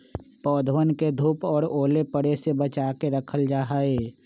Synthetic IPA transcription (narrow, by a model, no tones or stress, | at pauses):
pɔːd̪ʱwənked̪ʱuːpɔːɾoːlepəɽesebət͡ʃaːkeɾəkʰəld͡ʒaːɦaːeː